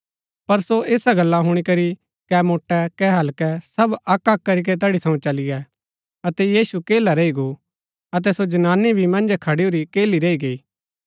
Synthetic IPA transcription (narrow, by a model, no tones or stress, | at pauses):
pɐɾsoʔeːsaɡɐlːaɦʊɽ̃ikɐɾi | kɛmoːʈːɛkɛɦɐlkɛsɐbɐkːɐkːɐɾik̬ɛt̪̬ɐɽit̪ʰɐ̃ũt͡ʃɐlɪjɛ | ɐt̪ɛjiːsukeːlaɾɐiɡo | ɐt̪̬ɛsod͡ʒɐnaːnːibʱimɐ̃nd͡ʒkʰɐɽioɾikeːliɾɐiɡeiː